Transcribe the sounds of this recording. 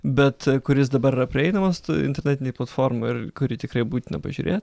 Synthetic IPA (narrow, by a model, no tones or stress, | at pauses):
bʲɛt̪kʊɾʲɪs̬d̪ɐbɐɾɪrɐpʲɾʲɪɛɪnɐmɐsɪnʲt̪ʲɛɾʲnʲɛːt̪ʲɪnʲeɪplˠɐt̪foːrmoɪrkʊɾʲiːt̪ʲɪkrɐɪbuːt̪ʲɪnɐ̰pɐʒʲuːɾʲḛːt̪ʲ